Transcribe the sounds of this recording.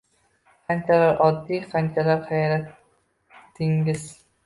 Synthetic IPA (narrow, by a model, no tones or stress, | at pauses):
qʰant͡ʃʰalaɾʔɒd̪ːiːqʰant͡ʃʰalaɾχajɾat̪ː | ɪŋɡɪz